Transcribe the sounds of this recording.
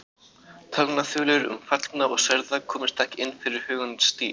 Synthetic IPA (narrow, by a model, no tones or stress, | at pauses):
t̪ʰalnaθʏːlʏɾʏ̰mfat̪knaɔɣsɛɾðakʰɔːmɪ̥st̪ahcɪnːfɪɾɪɾ̥hœːɣʏnɪnst̪iː